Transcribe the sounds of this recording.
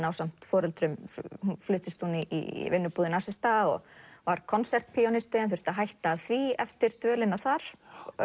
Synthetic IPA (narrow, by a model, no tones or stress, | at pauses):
nawsam̥t̪fɔːɾɛlt̪ɾʏmh̪flʏːht̪ɪst̪huniʔḭvɪnːʏpuːðɪnasɪst̪aɔ̰ɣvaɾ̥kʰɔnsɛr̥t̪̚pʰiɔnɪst̪ɪɛnθʏ̥t̪aɦajht̪aːðθviɛft̪ɪɾ̥t̪œːlɪnaθaɾ̥